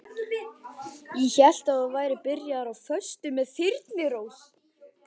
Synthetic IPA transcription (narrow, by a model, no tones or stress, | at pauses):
jɛçɛl̥t̪aðɔvaːjɾɪpɪɾjaðaɾawfœst̪ʏmɛðθɪɾt̪nɪɾoːws